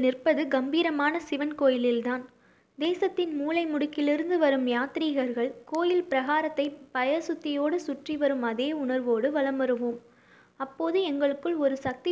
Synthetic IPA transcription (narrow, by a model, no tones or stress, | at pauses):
nɪrpɐðɯɡɐmbiːɾɐmaːnɐsɪʋɐnkoːjɪlɪlt̪aːn | d̪eːsɐt̪ːɪnmuːlɐɪmʊɽʊkːɪlɪɾɯnd̪ɯʋɐɾɯmjaːt̪ɾiːɣɐɾɣɐɭkoːjɪlpɪɾɐɣaːɾɐt̪ːɐɪpɐjɐɾsʊt̪ːɪjoːɽɯsʊʈriʋɐɾɯmɐðeːʊnɐɾʋoːɽɯʋɐlɐmɐɾɯʋɯm | ɐpːoːðɯɛŋɡɐɭɯkːɯɭɔɾɯsɐk̚t̪i